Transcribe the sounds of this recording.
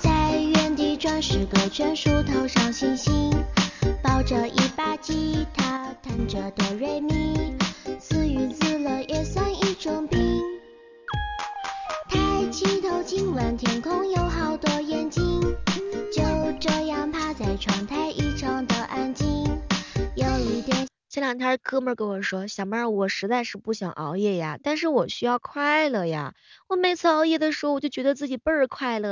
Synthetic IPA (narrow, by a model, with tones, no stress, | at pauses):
t͡sa˥˧ɪɥɛ˥˧nt̪i˧˥ʈ͡ʂwa˥nʂɻ̩˨˩kə˧˩t͡ɕʰɥɛ˥nʂu˥t̪ʰo˧˥ʊʂɑ˥˩ŋɕi˥˩nɕi˥npɑ˥ʊʈ͡ʂə˧ʔi˥˩pa˥t͡ɕi˥t̪ʰa˥t̪ʰa˥˩nʈ͡ʂə˧˩t̪wɔ˨˩ɻe˥˩ɪmi˥ | sʰɹ̩˥˧y˧˥t͡sɹ̩˥˩lə˩ʔɛ˥˧sa˥ni˥˩ʈ͡ʂʊ˥ŋpi˥ | t̪ʰa˥ɪt͡ɕʰi˥t̪ʰo˧˥ʊt͡ɕi˥nwa˧˥nt̪ʰjɛ˨˩nkʰʊ˥ŋjo˧˥ʊxɑ˨˩ʊt̪wɔ˥jɛ˥nt͡ɕi˥nt͡ɕjo˥˧ʊʈ͡ʂɤ˥˧jɑ˥˧ŋpʰa˥t͡sa˧˩ɪʈ͡ʂʰwɑ˧˥ŋt̪ʰa˥ɪʔi˥˩ʈ͡ʂʰɑ˧˥˩ŋd̪ə˧ʔa˥nt͡ɕi˥njo˧˥ʊi˧˥˩t̪jɛ˨˩n | ɕɛ˥˩nljɑ˨˩t̪ʰa˥˩kʰɤ˥mə˞˧˥˩ke˧˥ɪwɔ˨˩ʂwɔ˥ɕjɑ˨˩ʊma˥˩wɔ˨˩ʂɻ̩˧˥t͡sa˥˧ɪʂɻ̩˥˧pu˥˩ɕjɑ̰˨˩ŋʔɑ˧˥ʊjɛ˥˩ja̰˩t̪a˥˧nʂɻ̩˥˩wɔ˨˩ɕy˥jɑ˥˧ʊkʰwa˥˩ɪlə˩ja̰˨˩wɔ˨˩me˧˥ɪt͡sʰɹ̩˥˧ɑ˧˥ʊjɛ˥˩d̪ə˩ʂɻ̩˧˥˧wɔ˨˩t͡ɕo˥˩ʊt͡ɕɥɛ˧˥ə˧t͡sɹ̩˥˩t͡ɕi˨˩pə˥˧˩kʰwa˥˧ɪlə˩